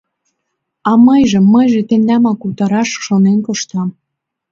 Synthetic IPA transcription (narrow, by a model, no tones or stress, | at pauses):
ɑmɤjʒəmːəjʒet̪end̪æmɑkut̪ɑɾɑʃʃonenkoʃt̪ɑm